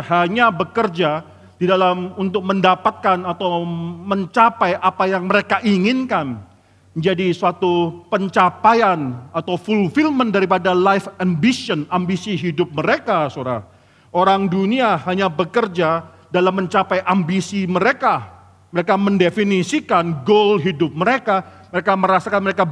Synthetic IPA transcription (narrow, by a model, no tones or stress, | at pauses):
ɦaɲabəkərd͡ʒa | didalamunt̪ʊk̚məndapat̪̚kanat̪awməɲt͡ʃapajʔapajaŋməɾekaʔiŋɪnkan | d͡ʒadisuat̪upəɲt͡ʃapajanat̪awfulfilməndaɾip̬adalajfambisiɔnambisiɦidʊp̚məɾekasoɾa̰ | oɾaŋduniahaɲabəkərd͡ʒa | dalamːəɲt͡ʃapajʔambisiməɾeka | məɾekaməndefinisikanɡolɦidʊp̚məɾekaməɾekaməɾasakanməɾeka